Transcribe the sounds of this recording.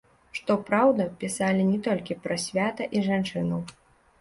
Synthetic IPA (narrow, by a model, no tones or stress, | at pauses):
ʂt̪ɔpɾawd̪ɐpʲisalʲinʲɛt̪ɔlʲkʲipɾɐsʲvʲat̪ɐʔiʐant͡ʂɨnɐw